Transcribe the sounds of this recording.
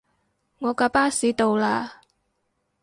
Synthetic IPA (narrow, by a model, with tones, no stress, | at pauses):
ŋɔː˨˧kaː˧paː˥siː˨˥t̪o˨wlaː˧